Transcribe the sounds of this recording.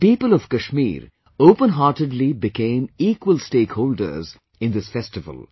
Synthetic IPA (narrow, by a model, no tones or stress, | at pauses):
piːpəlɔv̥kɐʃmḭːɾ | oːpə̃nɦaːʈɪɖlibɪkẽːmiːkwəlsʈeːkhoːlɖə̰ɾz | ɪ̃nd̪ɪsfɛsʈɪvə̰l